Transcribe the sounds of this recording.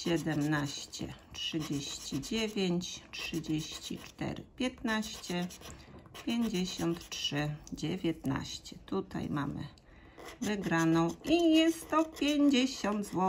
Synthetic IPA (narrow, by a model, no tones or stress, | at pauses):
ɕɛd̪ɛmnaɕt͡ɕɛ̰tʂɘd͡ʑeɕt͡ɕid͡ʑevʲjeɲt͡ɕtʂɘd͡ʑeɕt͡ɕḭt͡ʂt̪ɛ̰ɾɘ̰pʲjɛt̪naɕt͡ɕɛ | pʲjeɲd͡ʑeɕɔnt̪tʂɘd͡ʑevʲjɛt̪na̰ɕt͡ɕɛt̪ut̪a̰jma̰mɘ̰ | vɘɡɾanɔ̃w̃ijɛst̪ːɔpʲjeɲd͡ʑeɕɔnd̪zwɔ